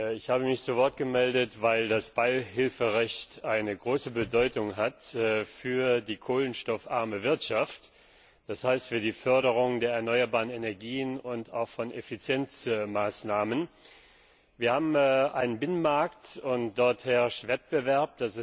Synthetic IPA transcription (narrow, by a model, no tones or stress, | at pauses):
ɪçhaːbəmɪçt͡suvɔɐt̚ɡ̥əmɛldətvaɪldasb̥aɪɦɪlfəʁɛçtʔaɪnəɡʁoːsəbədɔʏtʊŋɦatfyːɐdiːkʰoːlənʃtɔfʔa̰ɐməvɪɐtʃaft | d̥ashaɪstfyːɐdiːfœɐɾəʁ̞ʊŋdeːɐɛɐnɔʏɐbaːʁənenɛɐɡiːənʊnta̰ʊxfɔnʔefit͡sjɛnt͡smaːsnaːmən | viːɐhaːbm̩ʔaɪnənbɪnənmaɐktʊntd̥ɔɐthɛɐʃtv̥ɛt̚b̥əvɛɐp̚d̥asɪ